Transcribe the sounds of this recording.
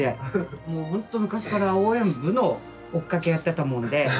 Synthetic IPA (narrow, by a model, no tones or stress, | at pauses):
emoːhõ̞nt̪o̞mɯ̟kaɕi̥kaɾaoːẽ̞mbɯ̟no̞ː | kːake̞jat̪ːe̞t̪amõ̞nd̪e̞